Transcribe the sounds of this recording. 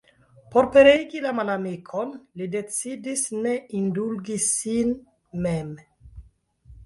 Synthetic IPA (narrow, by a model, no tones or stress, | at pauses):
poɾpeɾejɡilamalamikʰonlidet͡sid̪isneindulɡisin | mem